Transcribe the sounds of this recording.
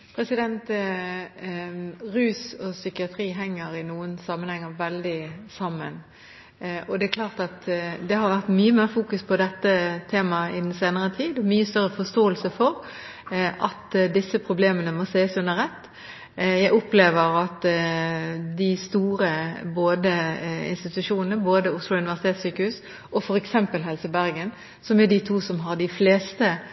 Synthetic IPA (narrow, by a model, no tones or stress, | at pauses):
pʰɾɛsɪd̪ɛnt̪ | ʁʉːsɔsʏkɪɑt̪ʰɾiːɦɛŋːəɾɪnuːənsɑmːənhɛŋːəʋɛld̪ɪsɑmːə̰n | ɔd̪ɛæklɑːʁt̪ɑt̪d̪ɛhɑɾʋæʁt̪myːəmeːɾfuːkʉspʰɔd̪ɛt̪ːət̪ʰeːmɑɪd̪ɛnseːnəʁət̪ʰiːd̪ɔmyːəst̪œʁəfɔst̪oːəlsəfɔɾ | ʔɑt̪d̪ɪsːəpʰɾʊbleːmənəmɔsæɪəsʉnd̪əɾʁɛt̪ː | jæɪɔpleːʋəɾɑt̪ | d̪ɪst̪uːɾəboːd̪əɪ̰nst̪ɪt̪ʉʂuːnənəboːd̪əʊslʊʉnɪʋæʁsɪt̪eːt̪syːkəhʉːs | ʔɔfɔɾɛksɛmpəlɦɛlsəbæɾɡən | sɔmɛd̪ɪt̪ʰuːsɔmɦɑɾɖ̪ɪfleːst̪ə